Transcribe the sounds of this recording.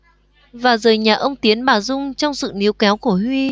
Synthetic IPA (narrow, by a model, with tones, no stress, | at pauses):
vaː˨˩zəː˨˩jɲaː˨˩ʔə˧wŋ͡mt̪i˨˦ənɓaː˧˩zʊ˧ŋ͡mt͡ɕɔ˧wŋ͡msɨ̰˧˨ni˨˦əwkɛ˨˦wku˧˩əhwi˧